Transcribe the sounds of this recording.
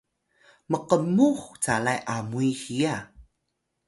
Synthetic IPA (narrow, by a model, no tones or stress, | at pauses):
məqəmuxt͡salajʔamuihija